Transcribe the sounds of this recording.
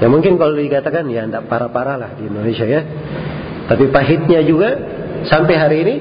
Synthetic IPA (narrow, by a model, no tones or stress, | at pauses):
jamuŋkɪnkalodikat̪akanjaːndaʔpaɾapaɾalahdiindonesiaja | t̪apipaɦɪt̪̚ɲad͡ʒuɡa | sampɛɦaɾiːni